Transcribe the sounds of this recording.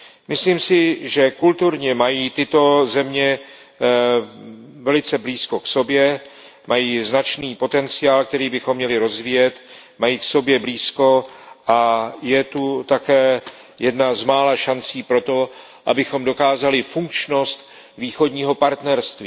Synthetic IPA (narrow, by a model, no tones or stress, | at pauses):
mɪsliːmsɪʒɛkult̪uɾɲɛmajiːt̪ɪt̪o̞zɛmɲɛ | vɛlɪt͡sɛbliːsko̞kso̞bjɛ | majiːznat͡ʃniːpo̞t̪ɛnt͡sɪaːlk̚t̪ɛɾiːbɪxo̞mːɲɛlɪɾo̞zviːjɛt̪ | majiːkso̞bjɛbliːsko̞ʔajɛt̪ut̪akɛː | jɛdnazmaːlaʃant͡siːpɾo̞t̪o̞ | ʔabɪxo̞mdo̞kaːzalɪfuŋk̚t͡ʃno̞st̪ | viːxo̞dɲiːɦo̞paɾt̪nɛɾst̪viː